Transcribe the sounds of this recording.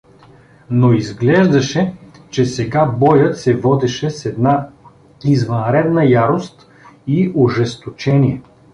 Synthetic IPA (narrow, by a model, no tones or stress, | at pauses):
noizɡlɛʒd̪ɐʃɛt͡ʃɛsɛɡabɔjət̪sɛvɔd̪ɛʃɛsɛd̪na | izvɐnɾɛd̪nəjaɾost̪ | iʊʒɛst̪ot͡ʃɛniɛ